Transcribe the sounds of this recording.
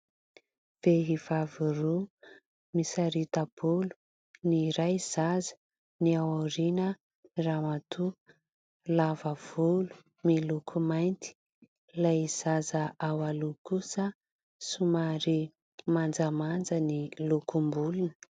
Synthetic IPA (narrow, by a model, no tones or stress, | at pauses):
v̥eɦiv̥aviru | misaɾit̪ab̥ulu̥ | niɾajz̥azə̥ | niawoɾinə | ramat̪ʰu | lavəv̥ulu̥ | milukʰumajnt̪i̥ | lajz̥azəʔawalukusə | sumaɾi | mand͡zamand͡zənilukumbulunə̥